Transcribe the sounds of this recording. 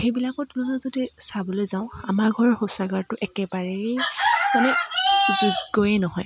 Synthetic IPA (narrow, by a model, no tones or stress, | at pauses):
xejbilakɔtnanɔzodisabɔlojzaʊ̃a̰maɹɡʱɔɹxosaɡaɹtʊʔɛkɛbaɹɛ | manɛzuɡɔjɛnɔɦɔj